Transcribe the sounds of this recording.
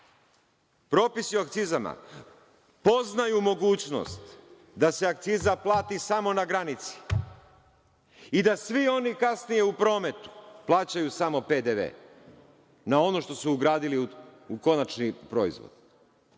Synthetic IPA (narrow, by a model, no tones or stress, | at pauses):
pɾo̞ːpisiakt̪sizama̰ | po̞znajumo̞ɡuːt͡ɕno̞̰st̪ | d̪ase̞ak̚t̪sizaplˠaːt̪isamo̞naɡɾanit̪si̥ | id̪asʋio̞nikasnije̞upɾo̞ːme̞t̪u̥plˠaːt͡ɕajusamo̞pe̞d̪eʋḛː | nao̞no̞ʃt̪o̞suːɡɾaːd̪iliuko̞nat͡ʃnipɾo̞ːḭzʋo̰d̪̥